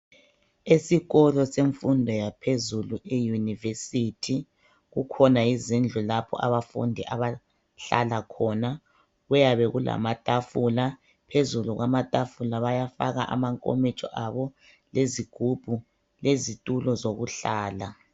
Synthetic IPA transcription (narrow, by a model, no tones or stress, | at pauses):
esiɣɔlɔseɱfundʱɔjapʰezuluejunivesitʰi | ɣukʰɔnajizind͡ɮʱulapʰɔ̰ʔaβafṵndʱiʔaβa | ɬa̰lakʰɔːna | ɣɛjaβɛɣulʔa̰matʼafula | pʰezuluɣamatʼafulaβajafaɣa̰ʔa̰maŋkʼo̰mit͡ʃʼɔ̰ʔaβɔ | leziɡ̥ʱub̥ʱu | lezitʼulɔzoɣuɬaːla